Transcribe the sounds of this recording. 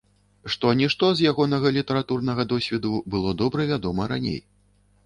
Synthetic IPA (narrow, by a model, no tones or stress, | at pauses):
ʂt̪ɔnʲiʂt̪ɔzjaɣɔnɐɣɐlʲit̪ɐɾat̪urnɐɣɐd̪ɔsʲvʲɛd̪ubɨlˠɔd̪ɔbɾɐvʲad̪ɔmɐɾa̰nʲḛj